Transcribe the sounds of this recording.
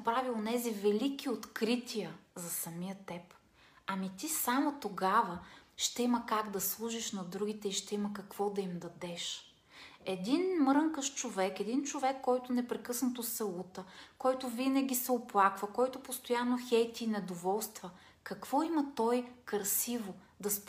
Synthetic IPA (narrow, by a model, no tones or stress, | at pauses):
pɾavionɛzivɛlik̟ʲiot̪kɾit̪iəzɐsɐmijət̪ɛp | ɐmit̪isamot̪oɡavəʃt̪ɛimɐkaɡd̪ɐslˠuʒiʃnɐd̪ɾuɡ̟it̪ɛiʃt̪ɛimɐkɐkv̥ɔd̪ɐimd̪ɐd̪ɛʃ | ɛd̪inmɾəŋkəʃt͡ʃovɛkɛd̪int͡ʃovɛkːɔjt̪ʊnɛpɾɛkɤsnɐt̪osɛlˠut̪əkɔjt̪ʊvinɐɡʲisɛoplˠakvɐkɔjt̪opost̪ojanːoxɛjt̪ʲiːnɛd̪ovɔlˠst̪və | kɐkv̥ɔimɐt̪ɔjkɾsivo | d̪ɐsp